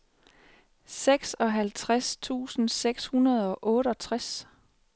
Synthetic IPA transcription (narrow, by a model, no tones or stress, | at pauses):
seɡ̥sɒ̽ɦælt͡sʰʁast͡sʰṵːsn̩seɡ̥shunɐð̞ˠɒ̽ʔɔ̽ːɾ̥əɒ̽t͡sʰʁas